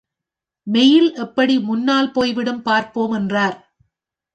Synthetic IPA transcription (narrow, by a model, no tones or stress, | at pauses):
mɛjɪlʔɛpːɐɽimʊnːaːlpoːjʋɪɽɯmpaːɾpoːmɛndraːɾ